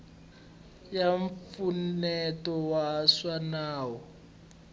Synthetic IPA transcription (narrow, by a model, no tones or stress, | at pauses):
jaɱfunɛtɔwaswanaːwɔ